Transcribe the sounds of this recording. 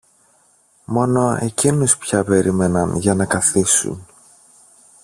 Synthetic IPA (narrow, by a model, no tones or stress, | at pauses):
mo̞no̞e̞cinuspçɐpe̞ɾʔime̞nɐnʝɐnɐkɐθisṵn